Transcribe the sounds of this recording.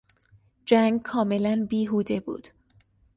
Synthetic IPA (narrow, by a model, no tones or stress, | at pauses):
d͡ʒæŋɡkʰɒːme̞lænbiːɦuːd̪e̞bṵːd̪̥